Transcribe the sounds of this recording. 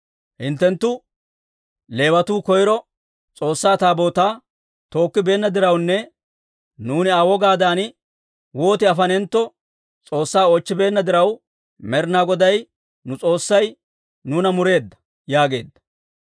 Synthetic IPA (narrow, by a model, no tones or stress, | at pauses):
hɪnt̪ːɛnt̪ːʊ | le̞ːwɐt̪uːkɔjɾɔ | t͡sʼo̞ːsːaːt̪aːbo̞ːt̪aː | t̪o̞ːkːɪbe̞ːnːɐd̪ɪɾɐwnːɛ | nuːnɪaːwɔɡaːd̪aːn | wo̞ːt̪ɪɐfɐnɛnt̪ːɔ | t͡sʼo̞ːsːaːɔt͡ʃːɪbe̞ːnːɐd̪ɪɾɐw | mɛɾɪnaːɡɔd̪ɐj | nʊt͡sʼo̞ːsːɐj | nuːnɐmʊɾe̞ːd̪ːɐ̥ | jaːɡe̞̰ːd̪ːɐ̥